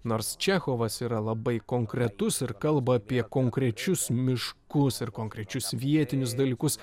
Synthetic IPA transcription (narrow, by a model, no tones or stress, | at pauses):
noːɾst͡ʃʲæxoːʋɐsiːɾɐlˠɐbɐɪkoːŋkɾʲɛt̪ʊsɪɾkɐlˠbɐːpʲiɛkoːŋkɾʲɛt͡ʃʲʊsmʲɪʃkʊsɪɾkoːŋkɾʲɛt͡ʃʲʊsʋʲiɛt̪ʲɪnʲʊs̬d̪ɐlʲiːkʊs